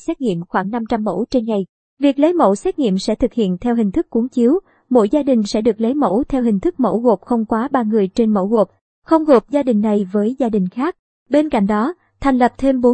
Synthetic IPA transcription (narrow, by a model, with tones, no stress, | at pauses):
sɛ˦˥t̚ŋḭ˧˨əmxwaː˧˩ŋna˧mt͡ɕa˧mːo̰˧˥t͡ɕe˧nŋa˨˩j | vi˨˩ək̚lə˨˦jmo̰˧˥wsɛ˦˥t̚ŋḭ˧˨əmsɛ̰˧˥t̪ʰɨ˨˩k̚hḭ˧˨ənt̪ʰɛ˧wɦï˨˩ŋ̟t̪ɨ˦˥kːu˨˦əŋt͡ɕi˨˦w | mo̰˧˥jzaː˧ɗï˨˩ŋ̟sɛ̰˧˥ɗɨ˨˩ək̚lə˨˦jmo̰˧˥wt̪ʰɛ˧wɦï˨˩ŋ̟t̪ʰɨ˦˥k̚mo̰˧˥ɣo˨˩p̚xə˧wŋ͡mkwaː˨˦ɓaː˧ŋɨ˨˩əjt͡ɕe˧nmo̰˧˥wɣo˨˩p̚ | xə˧wŋ͡mɣo˨˩p̚zaː˧ɗï˨˩ŋ̟na˨˩jvəː˨˦jzaː˧ɗï˨˩ŋ̟xaː˦˥k̚ | ɓe˧nka̰˧˨jŋ̟ɗɔ˨˦ | t̪ʰa˨˩jŋ̟lə˨˩p̚t̪ʰe˧mɓo˨˦